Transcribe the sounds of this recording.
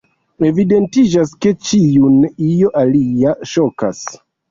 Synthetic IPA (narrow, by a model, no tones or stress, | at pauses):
e̞vide̞ntid͡ʒaske̞t͡ʃijunijo̞ʔaliaʃoka̰s